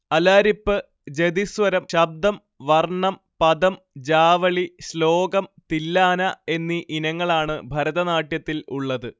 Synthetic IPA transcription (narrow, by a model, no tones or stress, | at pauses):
ɐlaːɾipːɨ | d͡ʑed̪isʋɐɾɐmɕɐb̚d̪ɐm | ʋɐrɳɐm | pɐd̪ɐm | d͡ʑaːʋɐɭiɕlo̞ːɡɐmt̪ilːaːnɐe̞nːiʔinɐŋːɐɭaːɳɨbʱɐɾɐðɐnaːʈjɐt̪ːiluɭːɐðɨ